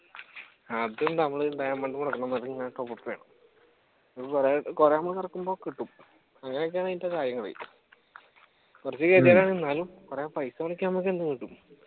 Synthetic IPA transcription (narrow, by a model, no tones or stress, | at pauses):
ɐðennɐmːɐɭɖɐjɐmɐɳɖumuɽɐkːɐɳɐmɐðɐŋːaːjʈːopːopːɐʋe̞ːɳɐm | ɐopureɨkureːɐmːɐɭkirɐkːumbo̞ːkiʈːum | ɐŋːɐnejok̬ːeaːɳaitːekaːɾjɐŋːɐɭḛ | kurɐt͡ɕːɨkeːt̪jaːɾaːɳinːaːlumkurepɐjsɐmɐɭik̬ʲːnɐmːok̬ʲːend̪uŋːiʈːum